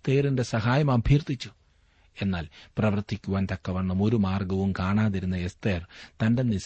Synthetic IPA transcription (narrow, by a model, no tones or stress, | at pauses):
t̪eːrinde̞sɐɦaːjɐmɐbʱjirt̪ːit͡ɕːu | e̞nːaːlprɐʋɐrt̪ːikʲːuʋaːnt̪ɐkːɐʋɐɳːɐmo̞ɾumaːrɡɐʋumkaːɳaːðiɾunːɐest̪eːrt̪ɐnde̞nis